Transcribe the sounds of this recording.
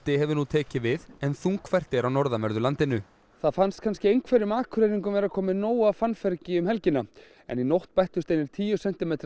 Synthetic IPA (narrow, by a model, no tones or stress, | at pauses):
t̪ɪɦɛvʏɾnut̪ʰɛːcɪvɪðɛnθuŋkfɛr̥t̪ɪɾawnɔɾðamɛɾðʏlant̪ɪnʏ | θaðfanst̪kʰanscɪejŋkʰvɛɾɪʏmaːkʰɾeːɾiŋkʏmvɛːɾakʰɔːmɪnoːwafanfɛɾcɪʏmhɛlcɪna | ɛ̰ninowht̪pajht̪ʏst̪eːjnɪɾ̥t̪ʰiːjʏsɛn̥t̪ɪmejt̪ɾ